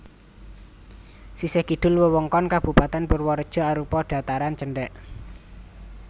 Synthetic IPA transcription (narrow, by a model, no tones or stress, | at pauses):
sisehɡ̥iɖ̪̥ʊ̤lwəwəŋkɔnkab̥ṳpat̪ɛnpʊrwɔɾəd̥ʒ̥ɔ̤aɾupɔɖ̥a̤t̪aɾant͡ʃəɳɖɛʔ